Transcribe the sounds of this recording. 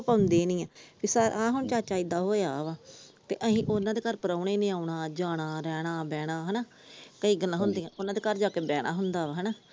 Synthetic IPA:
paʊnd̪eːnĩːãːpʰɪsəɾãːɦʊɳt͡ʃaːt͡ʃaːɪd̪aːɦoːeaːʋaːt̪ḛːʔəɦĩːʔoːnãːd̪eːkəɾpəɾaːʊɽeːneːaːuɳaːd͡ʒaːɽ̃aːɾɛːɽ̃aːbɛːɽ̃aːɦɛnaː | kəiːɡəlːãːɦʊnd̪iːãːʔoːnːãːd̪eːkəɾd͡ʒaːkeːbɛːɽ̃a̰ːɦʊnd̪aːaɦɛnaː

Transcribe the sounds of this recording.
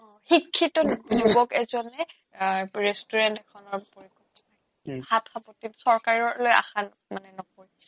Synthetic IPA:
ɔ̃ | hikʰːitɔnpunibɔkɛzɔnɛ | ɹestuɹɛntɛkʰɔnɔɹpoɹikʰɔtɔna | hatʰapɔtitsɔɹkaɹɔɹloja̰xan | manɛnɔpoɹi

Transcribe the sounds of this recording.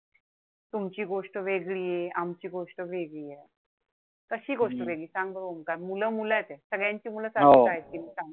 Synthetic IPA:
t̪umt͡ɕiːɡoʂʈəʋeɡɭiːjeamt͡ɕiːɡoʂʈəʋeɡɭiːje | kəɕiːɡoʂʈəʋeɡɭiːsaŋɡ̚bəɾomkaɾmuləmuləjet̪esəɡɭjaɲt͡ɕiːmuləːsaɦoaɦekiːmiːsaŋ

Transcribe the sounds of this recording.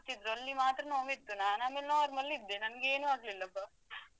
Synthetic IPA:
t̪id̪ɾuɐlːimaːt̪ɾɐnoːmit̪ːunaːnaːmeːlenaaɾmɐlːid̪ːenɐnɡeːnuaːɡlilːɐpːɐ

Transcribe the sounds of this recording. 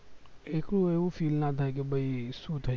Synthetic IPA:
ekɽũeʋũfiːlnat̪ʰajk̬ebəiʃũt̪ʰə

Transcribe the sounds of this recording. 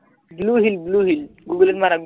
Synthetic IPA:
bluːɦilbluɦilɡuɡələt̪mana

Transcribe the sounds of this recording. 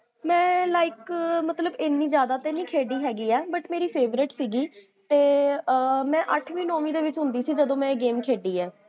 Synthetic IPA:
mɛ̃ːlaːɪkmət̪ləbɪnːiːzjaːd̪aːt̪eːnĩːkʰeːɖiːɦɛːɡiːɛːbəʈmeːɾiːpʰeːʋɾɪʈsiːɡiː | t̪eː | mɛ̃ːʔəʈʰʋĩːnɔ̃ːʋĩːd̪eːʋɪt͡ʃɦʊ̃nd̪iːsiːd͡ʒəd̪õːmɛ̃ːɡeːmkʰeːɖiːɛː

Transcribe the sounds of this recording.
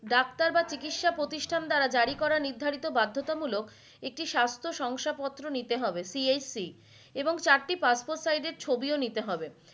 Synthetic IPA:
ɖakt̪aɾbat͡ɕikiʈʃapɾot̪iʃʈʰand̪aɾad͡ʑaɾikɔɾaɾniɾd̪ʱaɾit̪obad̪ʱːot̪amulok | ek̚ʈiʃast̪ʰoʃɔŋʃapɔt̪ːɾonit̪eɦɔbesiejsi | eboŋt͡ɕaɾʈipaspoɾʈsajɖeɾt͡ɕʰobionit̪eɦɔbe

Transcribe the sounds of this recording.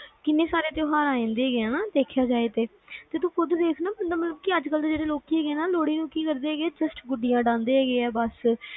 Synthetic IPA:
kɪnːẽːsaːɾeːt̪eoːɦaːɾaːĩːnd̪eːɡeãːnaːd̪eːkʰjaːd͡ʒaːeːt̪eː | t̪eːt̪ũːkʰʊd̪d̪eːkʰnaːbənd̪aːmət̪ləbkɪəd͡ʒkəld̪eːd͡ʒeːɽeːloːkiːɛːɡeːnaːloːɽiːnũːkiːkəɾd̪eːɛːɡeɛːd͡ʒəsʈɡʊɖɪjãːɖãːnd̪eːɦɛːɡeːɛːbəs

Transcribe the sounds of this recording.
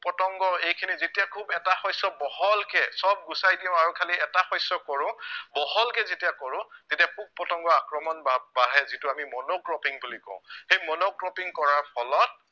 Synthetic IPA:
pɹɔtɔŋɡɔejkʰinizetijakʰubɛtaxɔjsɔbɔhɔlkɛsɔb̚ɡusajdiʊ̃aɹʊkʰaliɛtaxɔjsːɔkɔɹʊ̃bɔɦɔlkɛzetijakɔɹʊ̃tetiapuk̚pɔtɔŋɡɔakɹɔmɔnbabaɦɛzitʊamimɔnokɹɔpiŋbulikɔ̰ʊ̰̃xejmɔnokɹɔpiŋkɔɹaɹpʰɔlɔt̚

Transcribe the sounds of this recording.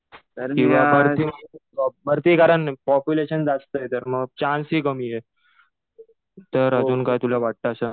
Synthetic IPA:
kĩw̃ʋabəɾt̪iməbəɾt̪iːkaɾəɳpɔpjuleɕənd͡zat͡st̪əjet̪əɾməɡ̚t͡ɕansɦiːkəmije | t̪əɾəd͡zuːnkajt̪ulaʋaʈ̚t̪aːsa

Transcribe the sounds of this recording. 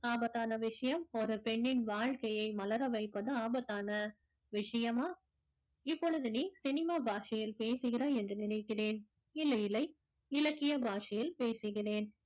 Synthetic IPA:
aːbɐt̪ːaːnɐʋɪʂɐjɐmɔɾɯpɛɳːɪnʋaːɻkɐjɐɪmɐlɐɾɐʋɐɪpːɐðɯaːbɐt̪ːaːnɐ | ʋɪʂɐjɐmaː | ɪpːɔɻɯðɯniːsɪnɪmaːbʱaːʂɐjɪlpeːsɯɣɪɾɐɛndrɯnɪnɐɪkːɪreːn | ɪlːɐjɪlɐɪ | ɪlɐkːɪjɐbʱaːʂɐjɪlpeːsɯɣɪreːn

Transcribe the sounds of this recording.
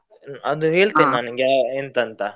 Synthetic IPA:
ɐd̪uɦeːɭt̪inaːnɐɡaent̪ɐnt̪ɐ

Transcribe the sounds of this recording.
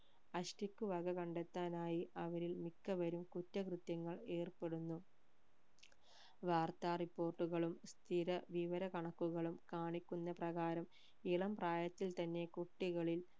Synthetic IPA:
ɐɕʈikʲːuʋɐɡɐkɐɳɖet̪ːaːnaːjiʔɐʋɐɾilmikːɐʋɐɾumkutːɐkrɨt̪jɐŋːɐɭeːrpe̞ɽunːu | ʋaːrt̪aːripːo̞ːrʈːuɣɐɭumst̪ʰiɾɐʋiʋɐɾɐkɐɳɐkːuɣɐɭumkaːɳikʲːunːɐprɐɣaːɾɐm | iɭɐmpraːjɐt̪ːilt̪ɐnːe̞kuʈːiɣɐɭil

